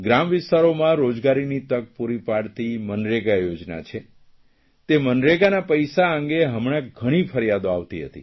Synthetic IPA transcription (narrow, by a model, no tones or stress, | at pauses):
ɡɾamʋɪst̪aɾomãɾod͡ʒɡaɾinit̪ək̚puɾipaɽt̪imənɾeɡajod͡ʒna̰t͡ʃʰe | t̪emənɾeɡanapəjsaə̃ŋɡeɦəmɽ̃aɡʱəɽ̃ifʰəɾjad̪oaʋt̪iɦə̰t̪ḭ